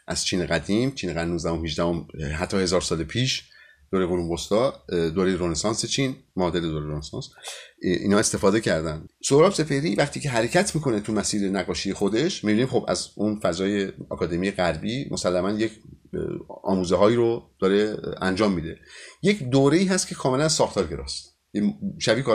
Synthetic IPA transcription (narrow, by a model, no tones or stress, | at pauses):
ʔæz̥t͡ʃʰiːneɣæd̪imt͡ʃʰiːneɣæd̪imnuːzd̪æhomhiʒd̪æhomɦæt̪ʰːɒːhe̞zɒːɾsɒːlepʰiːʃ | d̥̪oːɾeoluːmbost̪ɒːd̪oːɾejɾonesɒːnset͡ʃʰiːnmɒːd̪eɾed̪oɾeɾonesɒ̰ːns | ḭnɒːe̞st̪e̞fɒːd̪e̞cʰæɾd̪ænsohɾɒːbse̞fe̞hɾiːvæχt̪ʰiːce̞ɦæɾe̞cʰæt̪ʰmiːkʰo̞net̪ʰumæsiːɾenæɣːɒːʃije̞xod̪e̞ʃmibiniːmxo̞bæ̰zunfæzɒːje̞ɒ̰ːkʰɒːd̪emijeɣæɾbiːmʔosælːæmænjecʰ | ɒ̰ːmuːzeɦɒːiːɾod̪̥ɒːɾe̞ænd͡ʒɒːmːiːd̪e̞je̞cʰd̪oːɾe̞iːɦæst̪kʰe̞kʰɒːme̞lænsɒːxt̪ʰɒːɾɟe̞ɾɒ̰ːst̪ | eʃæbiːkɒ